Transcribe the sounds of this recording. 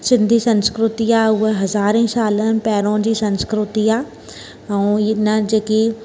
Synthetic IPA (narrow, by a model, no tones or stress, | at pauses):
sɪ̃nd̪ʱisɐ̃nskɾʊt̪iaʊɦeɦɐzaːɾẽsaːlənɪ̆pɛːɾõd͡ʑiːsɐ̃nskɾʊt̪iaː | ɛ̃ɪnəd͡ʑeːki